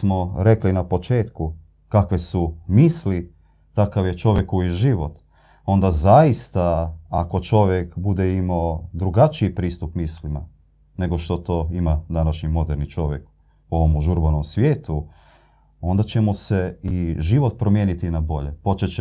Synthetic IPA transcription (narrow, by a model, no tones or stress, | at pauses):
mo̞ɾe̞klinapo̞t͡ʃe̞ːt̪ku | kakʋe̞sumiːsli | t̪akaʋje̞t͡ʃo̞ʋje̞kuiʒiʋo̞t̪ | o̞nd̪azaist̪aako̞t͡ʃo̞ʋjekbud̪eimod̪ɾuɡat͡ʃiipɾiːst̪upmiːslima̰ | ne̞ɡo̞ʃt̪o̞t̪o̞ːimad̪anaʃɲimo̞d̪eɾnit͡ʃo̞ʋje̞k | uo̞ʋomuʒuɾbanomsʋjeːt̪u | o̞nd̪at͡ɕe̞moseiʒiʋo̞t̪̚pɾo̞mjeːnit̪inabo̞ʎepo̞t͡ʃet͡ɕe